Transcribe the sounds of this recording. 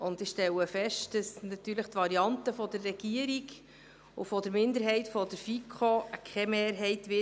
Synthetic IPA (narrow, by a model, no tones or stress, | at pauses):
ʊndɪʃtɛləfɛʃtd̥əsnɑt̪yːɾləχtʋɑɾiɑntəfɔdəɾːɛɡiəɾiɡ | ṵfɔdəɾmɪndəɾɦɛɪtfɔdəɾfikʰχokʰχɛmeːɾɦɛɪtʋɪ